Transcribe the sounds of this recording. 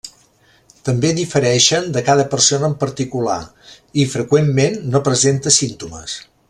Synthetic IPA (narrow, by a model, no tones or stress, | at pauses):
t̪əmbeðifəɾɛʃənd̪əkaðəpəɾsonəːmpəɾt̪ikula̰ | ifɾəkwemːenːopɾəzent̪əsint̪umə̰s